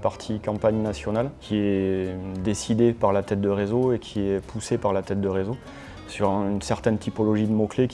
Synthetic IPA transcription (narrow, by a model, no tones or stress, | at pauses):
paʁt̪ʰikɑ̃paɲnasjɔnalkʲʰiɛ | d̪esid̪epaʁlat̪ɛt̪̚d̪əʁezoekʲʰiɛpʰusepaʁlat̪ɛt̪̚d̪əʁezo | syʁynsɛʁt̪ɛnt̪ʰipɔlɔʒid̪əmɔklek